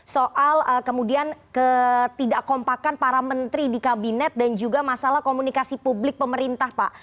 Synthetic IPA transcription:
soʔaləkəmudiankət̪idaʔkɔmpakanpaɾamənt̪ɾidikabinɛt̪̚dand͡ʒuɡamasalahkomunikasipublɪk̚pəməɾint̪ahpa̰ʔ

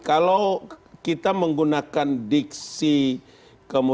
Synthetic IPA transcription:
kalowkit̪aməŋɡunakandiksi | kəmu

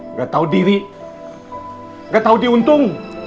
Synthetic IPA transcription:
ɡat̪awdiði | ɡat̪awdiunt̪ʊŋ

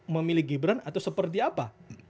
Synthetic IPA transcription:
məmilɪɡibɾanat̪awsəpərt̪̬iapa

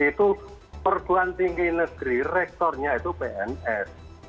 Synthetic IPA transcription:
it̪u | pərb̪̥ṳant̪iŋɡinəɡ̥ɾirɛk̚t̪ɔrɲait̪ubeʔɛnɛs

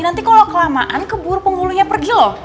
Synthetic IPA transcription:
nant̪ikalawkəlamaʔankəbuɾupəŋɡuluɲapərɡilɔh

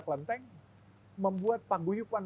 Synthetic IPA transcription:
klənt̪ɛŋ | məmbuat̪̚paɡujupan

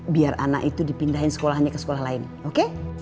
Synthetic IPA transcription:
biara̰na̰ʔit̪udipindaɦɪnsə̥kolaɦaɲakəsə̥kolahlaɪn | oke

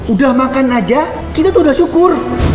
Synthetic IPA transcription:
udahmakanad͡ʒa | kit̪at̪uhudahʃukʊr

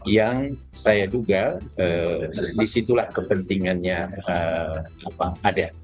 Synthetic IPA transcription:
jaŋ | sajad͡ʒuɡaədisit̪ulahkəpənt̪iŋanɲaə | apaada

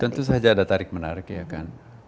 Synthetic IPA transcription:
t̪ənt̪us̬ɦad͡ʒaːdat̪aɾɪk̚mənaɾɪkjaka̰n

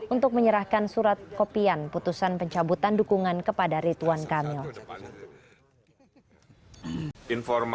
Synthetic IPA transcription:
unt̪ʊk̚məɲəɾahkansuɾat̪̚kopianput̪usanpəɲt͡ʃabut̪andukuŋankəpadaɾit̪uankamɪl | infɔrm

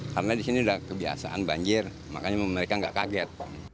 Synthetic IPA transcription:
kaɾənadisiniudahkəbia̰sa̰ʔanbaɲd͡ʒɪr | ma̰kaɲaməɾekaŋɡa̰ʔkaɡɛt̪̚a

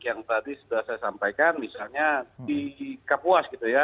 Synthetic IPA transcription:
jaŋt̪adisudahsajasampajkanmisalɲadikapuasɡit̪uja

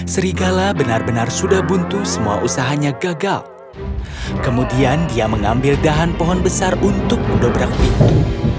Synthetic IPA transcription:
səɾiɡalabənarbənarsudahbunt̪usəmua̰ʔusaɦaɲaɡaɡal | kəmudiandiaməŋambɪldaɦanpɔɦɔnbəsarunt̪ʊk̚məndɔbəɾak̚t̪ɪt̪̚

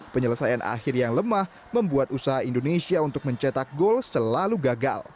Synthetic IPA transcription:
pəɲələsajanʔa̰xɪrjaŋləmah | məmbuat̪usaɦaindonesiaunt̪ʊk̚məɲt͡ʃat̪ak̚ɡolsəlaluɡaɡa̰l

